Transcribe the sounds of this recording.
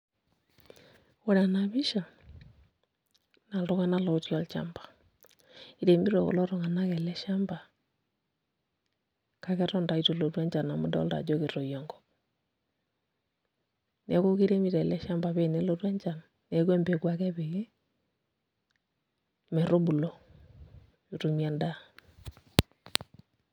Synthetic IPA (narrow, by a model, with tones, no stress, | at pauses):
o˦ɾa˨na˨βi˦ʃa˨ | na˨lto˦ɣa˦na˦lɔ˨u˦tɔ˦lt͡ʃa̰˨mbḁ˨ | i˨ɾe˨mbi˦ɾo̰˨ɣɔ̰˨lɔ˦ɾo˦ŋa˨na˦kɛ˨lɛ˦ʃa˦mba˨ | ka˦kɛ˦ɾɔ˦nda˨ito˨lo˨twɛ˦ɲd͡ʒa˨na˨mo˦dɔ̰˦lda̰˨d͡ʒo˦ke˨ɾo˨jɔ˨ŋɡɔ˨ | nɛ˨˦ko˦ki˦ɾe˦mi˦˨ɾɛ˨lɛ˦ʃa˦mba˨βe˦˨nɛ˦lo˦twɛ˦ɲt͡ʃa˨nː | ɛ˨kwɛ˦mbe˨kwa˨kɛ˦be˨ɣe˦ | mɛ˨ɾo˦bu˨lo˨ | ju˨tu˨m˦a˦nda˦